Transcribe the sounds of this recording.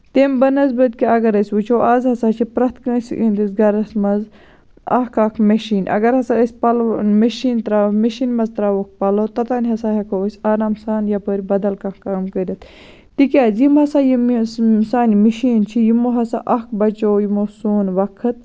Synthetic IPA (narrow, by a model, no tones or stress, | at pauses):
t̪embɐnɐzbɐt̪̚kiɐɡɐɾɐsʲʋut͡ʃʰoːʔazɦɐsaːt͡ʃʰipɾɐt̪kəsḭnd̪isɡɐɾɐsmɐz | ɐ̰kʰɐkʰmɐʃiːnʔɐ̰ɡɐɾhɐsaəsʲpɐlmɐʃiːnt̪ɾaːmɐʃiːnmɐzt̪ɾaːʋok̚ʰpɐloːt̪ɐt̪aːnʲɦɐsaːɦɐkʰoəsʲaːɾaːmsaːnjɐpəɾʲbɐd̪ɐlkɐkkaːmkəɾʲɐt̪ | t̪ikʲaːzjimɦɐsaːjimsaːnimiʃiːnt͡ʃʰijimoːɦɐsa̰ʔɐk̚bɐt͡ʃoːjimoːsuːnʋɐkʰɨt̪̚